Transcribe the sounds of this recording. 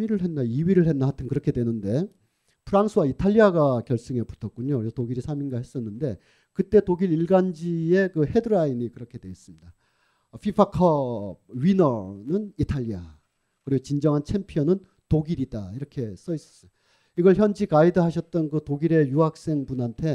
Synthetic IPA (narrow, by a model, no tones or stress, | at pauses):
miɾɯɭɦe̞nːaiɥiɾɯɭhe̞nːahatʰɯnkɯɾʌkʰe̞dwe̞nɯnde̞ | pʰɯɾaŋsʰɯwaitʰaʎːiaɡakjʌɭs͈ɯŋe̞pu̥tʰʌt̚k͈uɲokɯɾesʰʌtoɡiɾisʰaminɡahe̞s͈ʌnːɯnde̞ | kɯt͈e̞toɡiɾiɭɡand͡ʑie̞kɯhe̞dɯɾainikɯɾʌkʰe̞dwe̞is͈ɯmɲida | pʰipʰakʰʌɥinʌnɯnitʰaʎːia | kɯɾiɡot͡ɕind͡ʑʌŋɦant͡ɕʰe̞mpʰijʌnɯn | toɡiɾidaiɾʌkʰe̞s͈ʌis͈ʌ̥s͈ʌ | iɡʌɭçjʌnd͡ʑikaidɯɦaɕʰʌt̚t͈ʌnkɯtoɡiɾe̞juɦak̚s͈e̞ŋbunɦantʰe̞